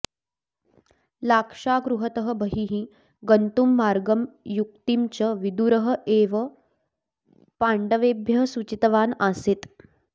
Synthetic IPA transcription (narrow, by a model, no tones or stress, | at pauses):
lakʂaɡɾuɦət̪əɦəbʱəɦiɦĩː | ɡənt̪umːaɾɡəmjuk̚t̪imt͡ɕəʋid̪uɾəɦəeʋə | paɳɖəʋebjɐsut͡ɕit̪əʋanaset̪